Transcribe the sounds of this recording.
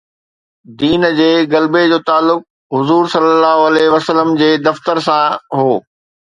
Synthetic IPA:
d̪iːnd͡ʑeːɡɐlbed͡ʑoːt̪aːlːʊk̚ | ɦʊzuːɾsɐləlːaːɦoɐlɛɦʋɐsələmd͡ʑeːd̪ɐft̪əɾsãɦoː

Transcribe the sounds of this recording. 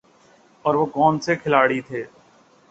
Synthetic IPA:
ɔːɾʋokɔːnsekʰɪlaːɽit̪ʰeː

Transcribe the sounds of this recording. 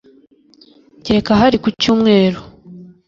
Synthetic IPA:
ɟeɾekaɦaɾikucuːmŋe̞ːɾo

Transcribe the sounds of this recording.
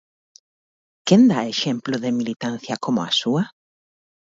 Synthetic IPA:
kend̪aeʃemplʊðeɪmilit̪anθjɐkomʊa̰suɐ

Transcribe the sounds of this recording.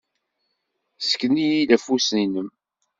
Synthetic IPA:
sə̥kːnijilæfusninəm

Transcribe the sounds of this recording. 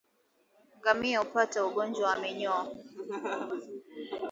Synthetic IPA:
ŋɡamiaupatauɡɔnd͡ʒwawamɛɲɔ

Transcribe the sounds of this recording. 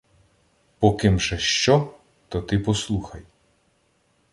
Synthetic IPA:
pɔkɪmʒɛʃt͡ʃɔ | t̪ɔt̪ɪpɔslˠuxɐj

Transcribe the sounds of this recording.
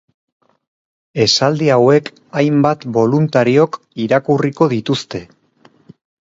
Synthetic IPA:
e̞sald̪iawe̞k | ajmbat̪bo̞lunt̪aɾio̞k | iɾakuriko̞ðit̪ust̪e̞

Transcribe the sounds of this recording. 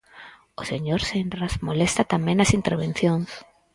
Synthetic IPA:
oseɲoɾsenrasmolest̪at̪amẽŋɐsint̪eɾβ̞en̟θjoŋs

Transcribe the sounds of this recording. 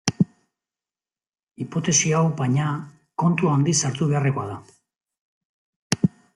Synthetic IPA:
ipo̞t̪e̞siawbaɲa | ko̞nt̪uand̪isaɾt̪uβe̞are̞koaða

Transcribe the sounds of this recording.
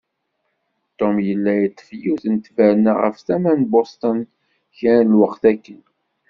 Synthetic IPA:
t̪omjəlːæjət̪ːə̥fjuθənt̪væɾnaʁə̰fθæmænbost̪ən | çænlwəqθækːən

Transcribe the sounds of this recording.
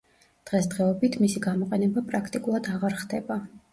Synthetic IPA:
d̪̥ʁɛsd̪ʁɛɔbit̪ʰmisiɡamɔqʼɛnɛbapʼɾakʰt̪ʼikʼulˠad̪aʁaɾχd̪ɛba

